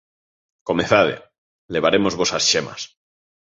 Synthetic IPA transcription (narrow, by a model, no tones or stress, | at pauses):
ko̞meθaðḛ | le̞β̞aɾe̞mo̞zβo̞sasʃema̰s